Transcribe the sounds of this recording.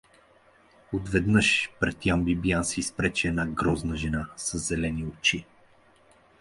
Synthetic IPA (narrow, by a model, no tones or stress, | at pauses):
ot̪vɛd̪nɤʃpɾɛt̪ːjambibijansispɾɛt͡ʃɛɛnaɡɾɔznəʒɛnasɐzzɛlɛniot͡ʃi